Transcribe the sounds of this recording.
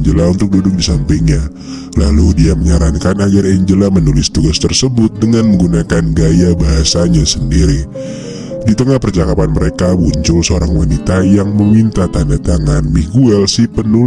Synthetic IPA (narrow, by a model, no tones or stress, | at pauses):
ɲd͡ʒəlaunt̪ʊk̚dudʊk̚disampiŋɲa | la̰ludiaməɲaɾankanad͡ʒaɾɛɲd͡ʒəlamənulɪst̪uɡast̪ərsəbʊt̪̚dəŋanməŋɡunakanɡajabaɦasaɲasəndiɾi | dit̪əŋahpərt͡ʃakapanməɾekabuɲt͡ʃʊlsəoɾaŋwanit̪ajaŋməmint̪at̪andat̪aŋanmiɡuɛlsipənu